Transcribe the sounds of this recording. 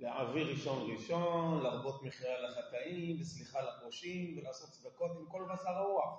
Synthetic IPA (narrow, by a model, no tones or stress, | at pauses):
leaviʁiʃo̞nʁiʃonlaʁbo̞t̪meχiʁalaχat̪aimlesliχalakoʃimvelaːso̞t̪t͡sd̪ako̞t̪imko̞lbasaʁaua